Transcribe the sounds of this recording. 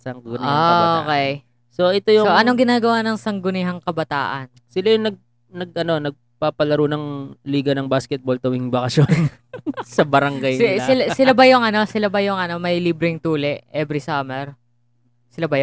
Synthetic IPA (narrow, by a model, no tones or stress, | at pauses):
sɐŋɡɡʊnɪhaookɛj | so̞ʔɛt̪ojʊoʔɐnoŋɡɪnaːɡɐwanɐŋsɐŋɡʊnɪɦɐŋkɐbɐt̪a̰ːʔɐ̰n | sɪlajʊŋnɐɡ̚ | nɐɡ̚ʔɐno̞nɐɡ̚ | papɐlɐɾunɐŋliːɡɐnɐŋbaːskɛt̪̚bolt̪ɐwiŋbɐkɐsjonn | sɐbɐɾɐŋɡajsɪlasɪlabɐjʊŋɐno̞sɪlabɐjʊŋɐno̞mɐjliːbɾɪŋt̪uːlɛʔʔɛbɾɪsaːmɛɾ | sɪlabɐjoŋ